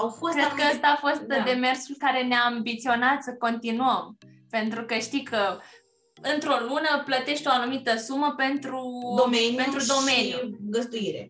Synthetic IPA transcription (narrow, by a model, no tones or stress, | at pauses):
awfokɾet̪kəəst̪aːfo̞st̪d̪e̞me̞rsulkaɾe̞neaːmbit̪sio̞nat̪səko̞nt̪inuəm | pe̞nt̪ɾukəʃt̪ikʰə | ɨnt̪ɾo̞lunəplət̪e̞ʃt̪o̞anumit̪əsuməpe̞nt̪ɾud̪omenent̪ɾud̪o̞me̞njuɡəzd̪uiɾḛ